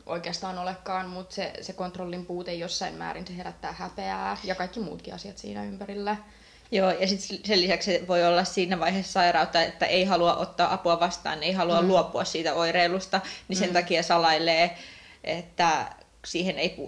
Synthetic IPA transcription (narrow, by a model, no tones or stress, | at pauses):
ʔoikeɑst̪ɑːnolekːɑːnmut̪sesekont̪rolːimpuːt̪ejjosːɑimmæ̰ːɾinseheɾæt̪ːæːhæpeæːjɑkɑikːimṵːt̪kiɑsiɑt̪sḭːnæ̰ympæɾilːæ | joːjɑsit̪selːisæksseʋoiolːɑssiːnæʋɑihesːsɑirɑut̪ːɑet̪ːæ̰ʔeihɑluɑ̰ʔot̪ːɑːʔɑpuɑʋɑst̪ɑ̰ːneihɑluɑlluopːˑuɑssiːt̪æoireːlust̪ɑnisent̪ɑkiɑsɑlɑileː | et̪ːæ | siːheneipṵː